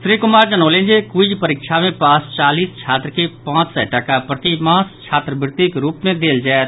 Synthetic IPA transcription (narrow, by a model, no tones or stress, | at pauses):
sɾikʊmaːɾd͡ʒənoːlẽːnd͡ʒekud͡ʒpəɾɪkʃʰamẽpaːst͡ʃaːliːst͡ʃʰaːt̪ɾəkepãːt͡ʃsɛ̰ʈəkapɾət̪imãːst͡ʃʰaːt̪ɾəbɪɾt̪ikɾuːpmẽd̪eːld͡ʒaːet̪